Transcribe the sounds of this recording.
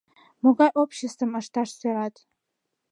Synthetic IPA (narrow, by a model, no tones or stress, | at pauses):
moɡaʔopʰʃestʰɨmaʂtʰaʂsaɾatʼ